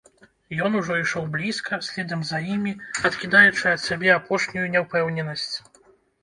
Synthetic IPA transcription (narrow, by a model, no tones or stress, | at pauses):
jɔnuʐɔiʂɔwblʲiskʰɐsʲlʲɛd̪ɐmzɐjimʲiɐt̪kʲid̪ajut͡ʂɨɐt̪sʲabʲɛapɔʂnʲujunʲɛwpɛwnʲɛnɐsʲt͡sʲ